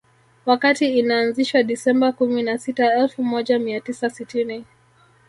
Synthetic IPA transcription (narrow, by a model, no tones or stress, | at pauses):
wakatiːnaːnziʃwaɗisɛmbakuminasitaɛlfumɔʄamiatisasitini